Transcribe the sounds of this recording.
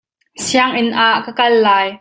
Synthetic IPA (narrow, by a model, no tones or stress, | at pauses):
siaŋʔɪnʔaːʔkakɐlːaːj